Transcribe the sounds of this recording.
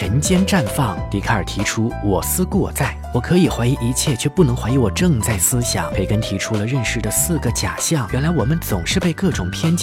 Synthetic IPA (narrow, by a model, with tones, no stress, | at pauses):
ə˧˥nt͡ɕjɛ˥nʈ͡ʂa˥˧nfɑ˥˩ŋt̪i˧˥kʰa˥˩ə˞˨˩t̪ʰi˧˥ʈ͡ʂʰu˥wɔ˨˩sɹ̩˥kwɔ̰˥˧t͡sa˥˩ɪwɔ˨˩kʰɤ˧˥i˨˩xwa˧˥ɪi˧˥ʔi˧˥t͡ɕʰjɛ˥˧t͡ɕʰɥɛ˥˧pu˥˩nɤ˧˥ŋxwa˧˥ɪi˧˥wɔ˨˩ʈ͡ʂɤ˥˧ŋt͡sa˥˩ɪsɹ̩˥ɕjɑ̰˨˩˦ŋpʰe˧˥˩ɪkə˥nt̪ʰi˧˥ʈ͡ʂʰu˥lə˨ɻə˥˧nʂɻ̩˥˩d̪ə˩sɹ̩˥˩ɡə˩t͡ɕja˨˩ɕjɑ˥˩ŋwɛ˧˥nla˧˥ɪwɔ˨˩mə˦nt͡sʊ˨˩ŋʂɻ̩˥˧pe˥˧ɪkɤ˥˩ʈ͡ʂʊ˨˩ŋpʰjɛ˥nt͡ɕ